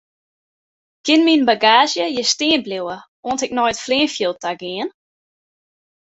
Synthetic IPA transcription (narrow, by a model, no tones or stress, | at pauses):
kɪnminbaɡaːzjəjəsteːnblewə | ɔːntɛk̚nɔjətfliːnfjilˠt̚aɡɪən